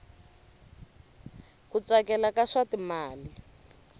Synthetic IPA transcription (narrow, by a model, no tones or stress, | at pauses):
kut͡sakɛlakaʂatimaːli